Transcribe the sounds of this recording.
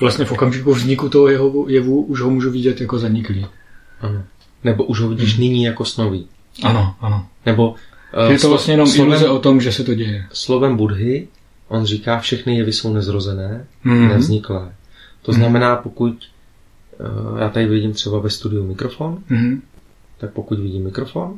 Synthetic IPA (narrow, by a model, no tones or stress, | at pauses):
vlast̪ɲɛfokamʒikuvzɲɪkut̪oɦojɛɦojɛvuʔuʒɦomuːʒuvɪɟɛt̪jakozaɲɪkli | ʔano | nɛbo̞ʔuʒɦovɪɟiːʃ̬nɪɲiːjako̞st̪noviː | ʔanoʔanonɛbo̞jɛtt̪ovlast̪ɲɛjɛnomozɛot̪omʒɛsɛt̪oɟɛjɛslo̞vɛmbudɦɪ | ʔo̞nriːkaːfʃɛxnɪjɛvɪso̞wnɛzɾozɛnɛːnɛvzɲɪklɛːt̪oznamɛnaːpo̞kuc | ja̰ːt̪adɪvɪɟɪmt̪r̝̥ɛbavɛst̪udɪumɪkɾo̞fonɦ̩ | t̪ak̚pokucvɪɟiːmːɪkɾo̞fon